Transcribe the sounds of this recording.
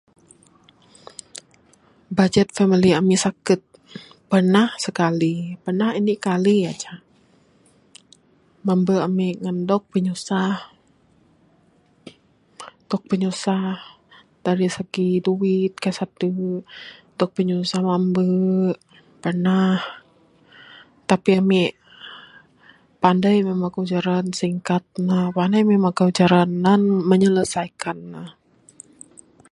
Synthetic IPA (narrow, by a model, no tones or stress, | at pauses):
bad͡ʒɛt̪̚fɛmiliamisakət̪̚ | pərnahsəkalipərnahinikaliat͡ʃa | mambəamiʔŋandɔk̚pəɲusah | dɔk̚pəɲusah | d̥aɾisəɡiduwit̪̚kasat̪̚də | dɔk̚pəɲusahmambə | pənah | t̪apiami | pandajmemakəud͡ʒaɾansiŋkat̪̚nahpanajmemakəud͡ʒaɾananməɲələsajkanːah